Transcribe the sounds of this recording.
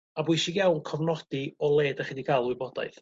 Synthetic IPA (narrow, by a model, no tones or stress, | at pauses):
abʊjʃiɡjawnkʰɔvnɔd̥iɔlˠeːdaχiːdiɡaːlˠwɪbɔda̰jθ